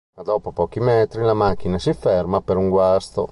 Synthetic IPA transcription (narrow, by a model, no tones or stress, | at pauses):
ad̪ɔːpopɔːk̟imɛːt̪ɾilamak̟ːinasifɛrmapeɾuŋɡwast̪o̰